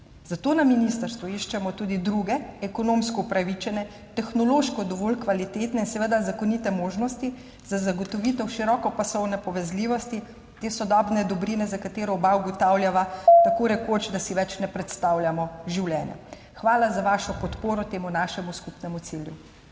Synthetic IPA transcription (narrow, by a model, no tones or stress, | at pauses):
zat̪oːnaminist̪əɾst̪ʋuiʃt͡ʃɛmɔt̪uːd̪id̪ɾuːɡɛɛkɔnoːmskɔupɾaʋit͡ʃɛnɛ | t̪ɛxnɔloːʃkɔd̪ɔʋoːlkʋalit̪eːt̪nɛinsɛʋeːd̪azakɔnit̪ɛmoːʒnɔst̪i | z̥azaɡɔt̪ɔʋit̪ɛwʃiɾɔːkɔpasɔwnɛpɔʋɛzliːʋɔst̪i | t̪eːsɔd̪ɔbnɛd̪ɔbɾinɛzakat̪eːɾɔbawɡɔt̪aːwlʲjaʋat̪akoɾɛkot͡ʃd̪asiʋɛt͡ʃnɛpɾɛt̪st̪aːwljamɔʒiwljɛːnja̰ | xʋaːlazaʋaːʃɔpɔt̪poːɾɔt̪eːmunaʃɛmuskupnɛmut̪siljṵ